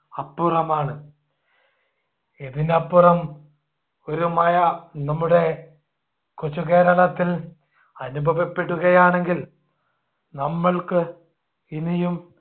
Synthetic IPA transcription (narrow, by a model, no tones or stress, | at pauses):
ɐpːurɐmaːɳɨ | eðinɐpːurɐm | oɾumaːjɐnɐmːuɽe̞ | kot͡ɕːuke̞ːɾɐɭɐt̪ːil | ɐnubʱɐʋipːe̞ɽuɣɐjaːɳe̞ŋɡil | nɐmːɐɭkɨ | inijum